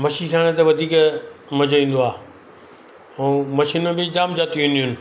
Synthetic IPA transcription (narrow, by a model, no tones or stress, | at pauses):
mɐʃikʰaːɽ̃ẽt̪eʋɐd̪ʱiːkmɐd͡ʑʱʋĩːn̆d̪oaː | ũːmɐʃiːnmẽbɪd͡ʑaːmd͡ʑaːt̪iũniɦʊnɪ̆